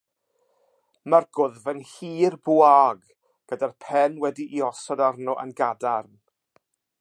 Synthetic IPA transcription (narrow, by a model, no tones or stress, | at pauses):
marɡ̥ʊðvənhiːrbuaːɡ | ɡ̥ədarpʰɛnwɛdiʔiɔsɔdarnɔʔə̰nɡadarn